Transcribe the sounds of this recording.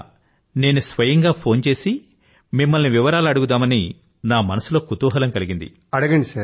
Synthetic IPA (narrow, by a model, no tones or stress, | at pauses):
ne̞ːnusʋɐjɐŋɡaːpʰo̞ːnt͡ʃe̞ːsi | mimːɐlniʋiʋɐɾaːlɐɽuɡud̪aːmɐni | naːmɐnɐsulo̞ːkut̪uːɦɐlɐmkɐliɡind̪ḭ | ɐɽɐɡɐɳɖisaː